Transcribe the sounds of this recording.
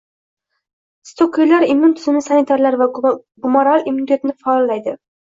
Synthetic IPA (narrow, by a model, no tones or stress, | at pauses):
st̪ʰokʰijlaɾimːʊnt̪ʰʊzɪnɪsanit̪ʰaɾlaɾva | ɡʊmoɾalimːunit̪ʰe̞t̪nɪfaːlːajd̪ɪ